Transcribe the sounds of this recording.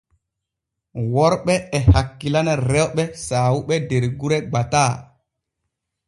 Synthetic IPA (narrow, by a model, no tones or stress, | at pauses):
wɔɾɓɛɛhakːilanaɾɛwɓɛsaːwuɓɛdeɾɡuɾɛɡ͡bataː